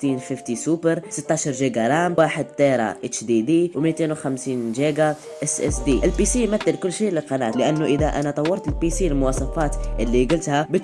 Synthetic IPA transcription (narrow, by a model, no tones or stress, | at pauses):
t̪infift̪isupəɾsət̪ːaʃɑɾˤʒiɡaɾˤamwaħəd̪̚t̪ɑɾˤɑ̰ʔət͡ʃd̪id̪iwmit̪enwxæmsiːnʒiɡa | ʔəsʔɛ̰sd̪iʔəlpisimæt̪ːəlkʊlːʃiləlqɑnæ̰t̪ləʔənːuʔəd̪æʔæ̰nat̪ˤɑwːɑɾˤt̪əlpisiəlmʊwɑsˤɑfɑt̪ʔəlːiɡəlt̪hæbət̪